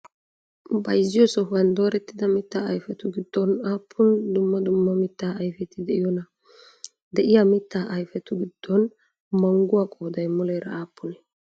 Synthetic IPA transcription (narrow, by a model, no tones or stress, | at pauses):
bɐjzːɪjɔsɔɦʊwɐnd̪o̞ːɾɛt̪ːɪd̪ɐmɪt̪ːaɐjfɛt̪ʊɡɪd̪̥ːɔnaːpʰːʊnd̪ʊmːɐd̪ʊmːɐmɪt̪ːaːɐjfɛt̪ːɪd̪ɛʔɪjɔnɐ | d̪ɛʔɪjamɪt̪ːaːʔɐjfɛt̪ʊɡɪd̪̥ːɔn | mɐŋɡʊwakʼoːd̪ɐjmʊleːɾɐaːpʰːʊnɛ